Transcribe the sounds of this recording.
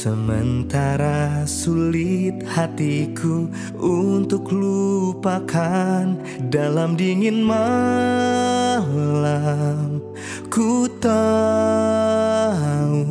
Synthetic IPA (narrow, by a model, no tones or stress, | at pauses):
səmənt̪aɾasulɪt̪̚hat̪ikʰu | unt̪ʊklupakʰan | dalamdiŋɪnma | lam | kut̪a | u